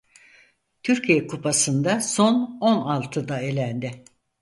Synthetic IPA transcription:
t̪ʰyɾcʰijɛkʰupʰasɯnd̪aso̞no̞nalˠt̪ʰɯd̪ae̞lʲænd̪ɪ

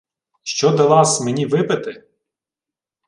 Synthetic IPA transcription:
ʃt͡ʃɔd̪ɐlˠɑsmenʲiʋɪpɪt̪ɪ

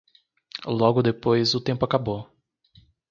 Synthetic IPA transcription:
lɔɡʊd̪epojzʊt̪ẽmpʊakabo

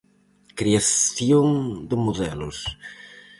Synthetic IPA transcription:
kɾiaθjoŋd̪ɪmoðɛlʊs

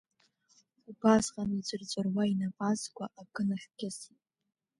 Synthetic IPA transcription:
ubazqʼanid͡ʒʷʼɨrt͡sʷʼarwainapʼazɡʷʼaʔaɡʼɨnaχʲɡʲasit

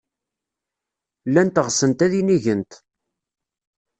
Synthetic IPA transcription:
lːænt̪əʁsənt̪æðiniʝənt̪

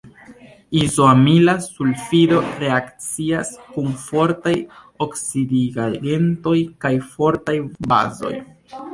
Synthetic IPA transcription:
izoamilasulfido̞ɾe̞akt͡siaskunfo̞ɾtaj | oksidiɡade̞nto̞jkajfo̞ɾtajba̰zo̞̰j

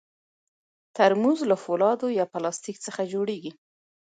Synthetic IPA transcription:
t̪aɾmuzlafolɑd̪ojɑpalɑst̪ikt͡səxad͡ʒoɽeɡi

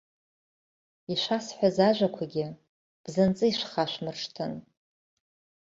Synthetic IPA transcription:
iʃʷasħʷazaʒʷakʷʰaɡʲɪ | b̥zɨnt͡sʼɨiʃʷχaʃʷmɨrʂtʰɨn

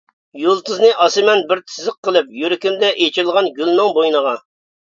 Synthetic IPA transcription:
julˠt̪ʰɨznɨʔɑsɨmɛnbɪɾt̪ʰɨzɨqːəlˠɨpjyɾɪkʲimd̪ɛʔet͡ʃʰilˠʁɑnɡʲylnɨŋbojnəʁɑ

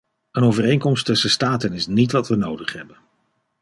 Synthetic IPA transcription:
ənowvərejŋkɔmstɵsəstaːtənɪsnitʋɑtʋənowdəχɦɛbən

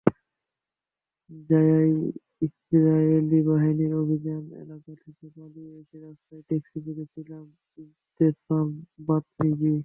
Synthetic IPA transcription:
d͡ʑajaj | ist̪iɾajelibaɦiniɾobʱid͡ʑanḛlakat̪ʰisab̪alieeʃeɾast̪ajʈeksikoɾet͡ɕʰilam | i | t̪esambat̪mid͡ʑi

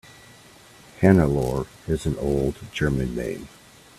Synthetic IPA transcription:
hænəlɔɹ | ɪz̃n̩oʊlˠdd͡ʒɜ˞mɨ̃nːḛ̃ɪ̃m

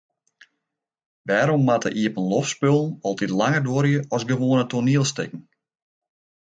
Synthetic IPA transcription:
ʋɛːɾɔmːatə̰ʔiəpənlɔfspølˠn̩ɔlˠtitlaŋərdoəɾjəɔsɡəʋoːnətoniəlˠstɪ̰kŋ̩

